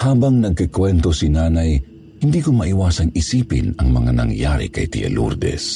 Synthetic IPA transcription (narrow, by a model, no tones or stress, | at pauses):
haːbɐŋnɐɡ̚kɪkwɛnt̪osinaːnaj | hɪnd̪iːkomɐʔɪwaːsɐŋɪsiːpɪnɐŋmɐŋanɐ̰ŋjaːɾɪ̰kɐ̰jt̪ɪ̰ʔɐ̰lṵɾd̪ɛ̰s